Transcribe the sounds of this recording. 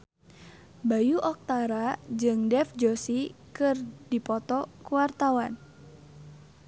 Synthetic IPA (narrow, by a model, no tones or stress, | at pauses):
bajuʔɔk̚t̪aɾad͡ʒɨŋdɛfd͡ʒosikɨrdipɔt̪ɔkuart̪awan